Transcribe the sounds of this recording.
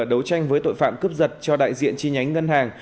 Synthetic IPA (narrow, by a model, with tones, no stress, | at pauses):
ɗə˨˦wt͡ɕa˧jŋvəː˨˦jt̪o̰˧˨jfa̰ː˧˨mkɨ˦˥p̚zə˨˩t̚t͡ɕɔ˧ɗa̰ː˧˨jzḭ˧˨ənt͡ɕi˧ɲa˨˦jŋ̟ŋə˧nhaː˨˩ŋ